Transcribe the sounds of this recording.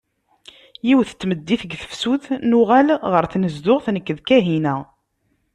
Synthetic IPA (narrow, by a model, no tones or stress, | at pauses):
jiwθə̥t͡sːməd̪ːiθəɡθə̥fsuθnʊʁælʁəɾθnəzd̪ʊʁθnəkːəðkæɦinæ